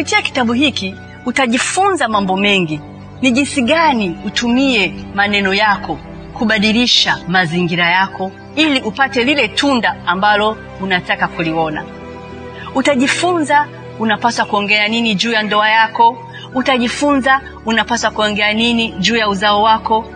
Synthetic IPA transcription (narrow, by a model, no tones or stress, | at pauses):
kupitiaki̥taɓuɦiki | utaʄifunzamambɔmɛŋɡi | niʄinsiɠaniutumiɛmanɛnɔjakɔ | kuɓaɗiliʃamaziŋɡiɾajakɔ | iliʔupatɛlilɛtundaːmbalɔ | unatakakuliwɔna̰ | utaʄifunza | unapaswakuɔŋɡɛaninid͡ʒuːjandɔajakɔ | utaʄifunza | unapaswakuɔŋɡɛaniniʄuːjauzaɔwakɔ